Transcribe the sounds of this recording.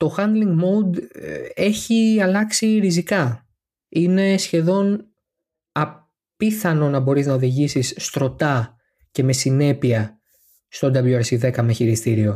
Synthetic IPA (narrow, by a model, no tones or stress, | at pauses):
t̪o̞xɐnd̪liŋɡmowd̪e̞çiɐlɐksiɾizikɐ | ine̞sçe̞ðo̞n | ɐ | piθɐno̞nɐbo̞ɾiznɐoðiʝisisːt̪ɾo̞t̪ɐ | ce̞me̞sine̞piɐ | st̪o̞d̪ɐbjuɐɾsiðe̞kɐmeçiɾist̪iɾio̞